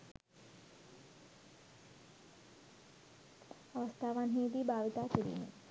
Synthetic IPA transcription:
ɐʋɐst̪ʰaːʋaːnɦiːt̪ibʱaːʋit̪aːkiɾḭːnḭ

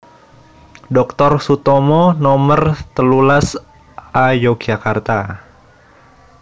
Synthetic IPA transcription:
dɔk̚t̪ɔrsut̪ɔmɔnɔmərt̪əlulas | ajoɡ̥d͡ʒakart̪a

